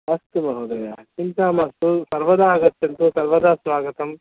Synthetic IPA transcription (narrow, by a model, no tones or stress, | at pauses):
ɐst̪umɐɦɐd̪ɐjakint̪aːmɐst̪usɐɾʋɐd̪aːɡɐt̪ːɐnt̪usɐɾʋɐd̪aːsʋaːɡɐt̪ɐm